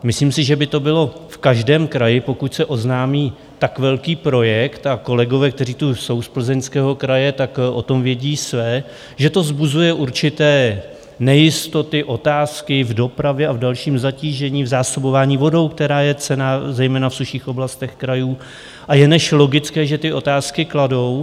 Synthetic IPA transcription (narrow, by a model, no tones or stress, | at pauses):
mɪsliːmsɪʒɛbɪt̪o̞bɪlo̞fkaʒdɛːmkɾajɪpo̞kucsɛʔo̞znaːmiː | t̪akvɛlkiːpɾo̞jɛkt̪ako̞lɛɡo̞vɛːk̚t̪ɛriːt̪uso̞wspl̩zɛɲskɛːɦo̞kɾajɛt̪akʔo̞̰t̪o̞mvjɛɟiːsvɛː | ʒɛt̪o̞zbuzujɛʔuɾt͡ʃɪt̪ɛː | nɛjɪst̪o̞t̪ɪʔo̞t̪aːskɪvdo̞pɾavjɛavdalʃiːmzaciːʒɛɲiːvzaːso̞bo̞vaːɲiːvo̞do̞wk̚t̪ɛɾaːjɛt͡sɛnaːzɛjmɛːnafsuʃiːxʔo̞blast̪ɛxkɾajuː | ʔajɛnɛʃlo̞ɡɪt͡skɛːʒɛt̪ɪʔo̞t̪aːskɪklado̞w